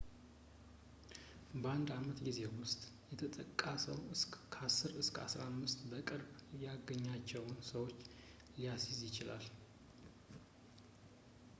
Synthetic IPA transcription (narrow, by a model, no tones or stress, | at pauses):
bəand̪amət̪ɡize̞wʊst̪ʼjɛt̪ʰət̪ʼəkʼːasəwɨskʰasːɨɾɨskʰəa̰sɾaamːɨst̪ʼbəkʼɨɾbjaɡəɲːat͡ʃːɛwnsəwo̞t͡ʃː | lijasizjɪt͡ʃɪla̰l